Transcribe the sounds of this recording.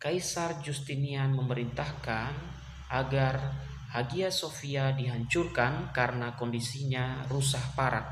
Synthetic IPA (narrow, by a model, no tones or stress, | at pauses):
kajsard͡ʒust̪inianməməɾint̪ahkan | ʔaɡar | haɡiasofiadiɦaɲt͡ʃurkankaɾənakɔndisiɲarusahpaɾak̚